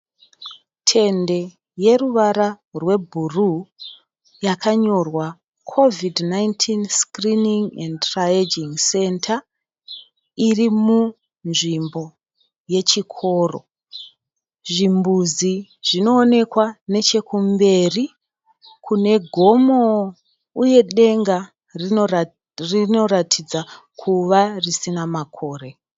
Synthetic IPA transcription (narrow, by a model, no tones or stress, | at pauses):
tʰe̞nde̞ | je̞ruʋaɾa | rwe̞bʱuru | jakaɲo̞rwa | kʰo̞vidnajntʰinskriniŋendtrajed͡ʒiŋse̞ntʰa | irimu | nʐimbo̞ | je̞t͡ʃikʰo̞ːro̰ | ʐimbuziʐ̥ino̞ːne̞kwane̞t͡ʃe̞kumbe̞ri | kʰune̞ɡʱo̞mo̞ | uje̞ɗe̞ŋɡa | rio | rino̞ratʰid͡za | kʰuʋarisinamakʰo̞ːre̞